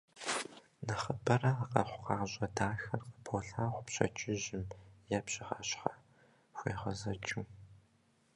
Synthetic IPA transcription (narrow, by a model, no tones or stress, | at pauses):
nɐχəbɐrɐaqɐ̰χʷʊqɑːʑʼɐdaːxɐrqə̥bʰoːɬaːχʷʊpɕɐ̰t͡ʃʼɪʑɪmjɛpɕʼɪʁa̰ːɕχɐ | xʷḛːχɐzɐt͡ʃʼuː